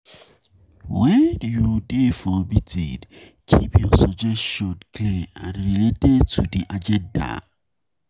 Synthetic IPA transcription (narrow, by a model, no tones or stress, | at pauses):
wɛdujudefɔbitḭd | kʰipjɔsɔd͡ʒɛʃɔdklɛãnɹiletɛdtʰudiʔad͡ʒɛ̃nda̰